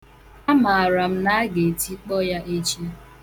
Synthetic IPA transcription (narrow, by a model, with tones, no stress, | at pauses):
a˦ma˨a˨ɾa˨m̩˦na˦a˦ɡe˨ti˦k͡pɔ˦ja˦ʔe˦t͡ʃi˦